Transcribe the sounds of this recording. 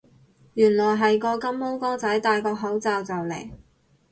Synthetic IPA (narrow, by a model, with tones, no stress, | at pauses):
jyː˨˩nlɔː˨˩jɦɐ˨jkɔː˧kɐ˥mːo˥wkɔː˥t͡sɐ˨˥jt̪aː˨jkɔː˧k̚ɦɐ˨˥wt͡saː˨wt͡sɐ˨˩wlḛ˨˩j